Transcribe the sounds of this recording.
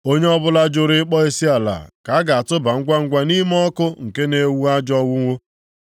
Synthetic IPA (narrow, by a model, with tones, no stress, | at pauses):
o˦ɲe˦ɔ˦bʊ˦la˦d͡ʒʊ˦ɾɪ˦k͡pɔ˦e˦si˦a˨la̰˨ka˨˦ɡa˨a˨tʊ˦ba˨ŋ̩˦ɡʷa˦ŋ̩˦ɡʷa˦ni˦m˦ɔ˦kʊ˦ŋ̩˨ke˦ne˦wu˦a˦d͡ʒɔ˦wʊ˦ŋʷo˦